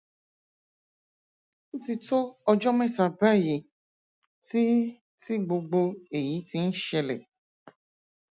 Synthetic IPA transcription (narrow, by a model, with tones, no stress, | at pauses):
ti˧to˦ɔ˧d͡ʒɔ˦mɛ̃˦˨ta˨ba˦˨je˨ | ti˦ | ti˦ɡ͡bo˧ɡ͡bo˧e˨ji˨˦ti˧n̩˦ʃɛ˧lɛ̰˨